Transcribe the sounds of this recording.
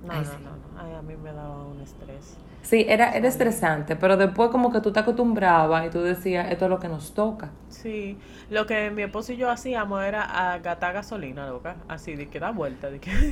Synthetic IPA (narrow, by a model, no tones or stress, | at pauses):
noonõ̰nõ̰ajamime̞ðaβaune̞st̪ɾes | siʔe̞ɾaʔe̞ɾaest̪ɾe̞sant̪e̞pe̞ɾo̞ðe̞spwe̞sko̞mo̞ke̞t̪ut̪eakost̪umbɾaβait̪uðe̞siasest̪olo̞ke̞no̞st̪o̞ka | si | lo̞ke̞miehpo̞soiʝo̞asiamose̞ɾaʔaɡat̪aɣaso̞linalokaa̰siðikeðaβwelt̪aðike